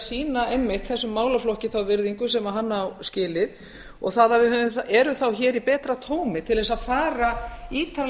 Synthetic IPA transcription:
siːnaɛmːɪht̪θɛsːʏmːaːwlaflɔhcɪθawvɪɾðiŋkʏsɛmaɦanːawscɪːlɪð | ɔ̰ɣθaðavɪhʏnʏɛɾʏθawçɛːɾipɛːt̪ɾat̪ʰoːwmɪt̪ʰɪlðɛsaðfaːɾaiːt̪al

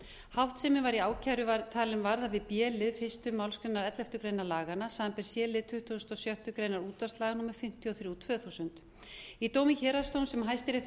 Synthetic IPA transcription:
hawht̪sɛmɪvaɾiaːwcʰajɾʏvaɾt̪ʰaːlɪnvaɾðavɪðpjɛːlɪðfɪst̪ʏmːawlskɾejnaɾɛt̪lɛft̪ʏkɾejnalaːɣanːasaːðanpɛɾ̥sjɛːlɪðt̪ʰʏht̪ust̪ɔsjœht̪ʏkɾejnaɾuːt̪ast̪laːɣnuːmaɾ̥fɪm̥t̪ʰjɔθɾjuut̪ʰvœːθusʏnt̪ | it̪oːwmɪçɛːɾast̪ownsɛmɦajst̪ɪɾeht̪

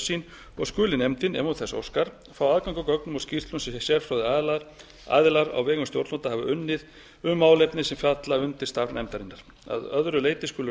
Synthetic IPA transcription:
sin | ɔ̰ɣskʏːlɪnɛmt̪ɪnɛ̰mut̪θɛso̰wskaɾ̥ | fɾawaðkawŋkʏkœknʏmawscir̥t̪lʏnsɛsɛɾfɾawðɪaðlaɾ | a̰ðɪlaɾa̰wvɛːɣʏnst̪jowɾt̪ɔt̪ahavʏʔʏnːɪð | ʏmaːwlejpnɪsɛmfjat̪laʏnt̪ɪɾ̥st̪aɾnɛmt̪aɾɪnːaɾ̥ | a̰ðœðɾʏleːjt̪ɪskʏːlʏ

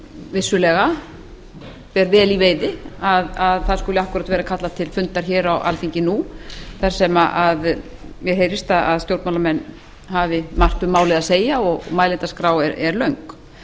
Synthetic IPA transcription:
vɪsːʏlɛɣa | pɛɾvɛːliveːjðɪaðaðθḁskʏːlɪahkʏɾat̪vɛːɾakʰat̪lat̪ʰɪlfʏnt̪aɾ̥çɛːɾawa̰lθiɲcɪnuθaɾ̥sɛmaʔaðmjɛɦejɾɪst̪aaðst̪jowɾt̪mawlamɛnː | ɦavɪmar̥t̪ʏmːaːwlɪðaðseːjaɔɣmaːjlɪnt̪askɾaːwɛɾɛɾlœɥŋk

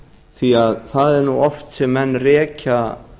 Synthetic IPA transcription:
θiaðθaðɛɾnuɔft̪sɪmɛnːrɛːca

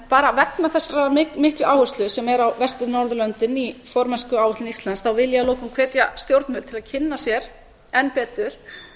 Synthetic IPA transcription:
paːɾaːvɛknaθɛsːaɾaɪmɪhklʏʔawhʏ̥st̪lʏsɛmɛɾawvɛst̪ɪnɔɾðʏlœnt̪ɪnifɔɾmɛskʏawvʏht̪lɪnist̪lansθawvɪljaloːwkʏmkʰv̥ɛːt̪jast̪jowɾt̪nfʏːlt̪ʰɪlaðcʰɪnːasjɛɾ̥ | ɛnpɛːt̪ʏɾ̥

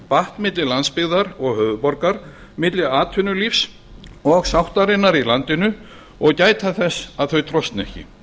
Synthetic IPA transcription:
paht̪mɪt̪lɪlanspɪɣðaɾɔɣhœːðʏpɔɾkaɾ | mɪt̪lɪaːt̪ʰʏnːʏlifs | ɔɣsawht̪aɾɪnːaɾilant̪ɪnʏ | ɔɣcaːjt̪ʰaθɛsaðθœɥt̪ʰɾɔst̪nɛ̰hcɪ̰

